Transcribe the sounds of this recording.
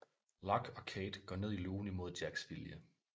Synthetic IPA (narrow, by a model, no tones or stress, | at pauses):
lɑɡ̥ɒ̽kʰeːd̥ɡ̥ɒ̰ɐne̝ð̞ˠiluːnimo̝ð̞ˠd̥jæɡ̥sʋiljə